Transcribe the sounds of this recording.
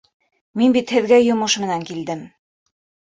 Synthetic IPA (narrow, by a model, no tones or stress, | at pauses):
minbit̪hɘ̆ðɡæjŏmɤʃmɘ̆næŋkild̪ɘm